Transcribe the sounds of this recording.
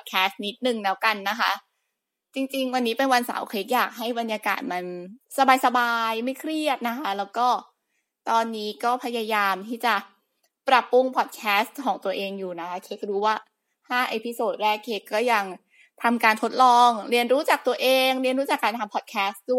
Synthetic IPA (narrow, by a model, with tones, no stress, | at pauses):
pʰt̪̚kʰɛː˦˥s̚ni˦˥t̪̚nɯ˨˩ŋnɛː˦˥wka˧nːa˦˥kʰa˦˥ | t͡ɕi˧ŋt͡ɕi˧ŋwa˧nːiː˦˥pe˧nwa˧nsa̰˩˦wkʰɾeː˦˥k̚jaː˨˩k̚ɦa˥˩jba˧njaː˧ka̰ː˨˩t̪̚ma˧nsa˧baː˧jsa˧baː˧jma˥˩jkʰɾi˥˩ət̪̚na˦˥kʰa˦˥lɛː˦˥wkɔː˥˩ | t̪ɔː˧nːiː˦˥kɔː˥˩pʰa˧jaː˧jaː˧mt̪ʰiː˥˩t͡ɕa˨˩ʔ | pɾa˨˩pːu˧˥˩ŋpʰɔ˨˩t̪̚kʰɛː˦˥stkʰɔː˩˦ŋt̪u˧ɐʔeː˧ŋjuː˨˩na˦˥kʰa˦˥kʰe˦˥k̚ɾuː˦˥waː˥˩ | haː˥˩ʔeː˧˩pi˧soː˨˩t̪̚ɾɛː˥˩kʰːe˦˥kːɔː˥˩ja˧ŋ | t̪ʰa˧mkaː˧nt̪ʰo˦˥t̪̚lɔː˧ŋɾi˧ənɾuː˦˥t͡ɕa˨˩k̚t̪u˧ɐʔeː˧ŋɾi˧nɾuː˦t͡ɕa˨˩kːaː˧nt̪ʰa˧mpʰɔ˨˩kʰɛː˦˥sdu˥˩˨j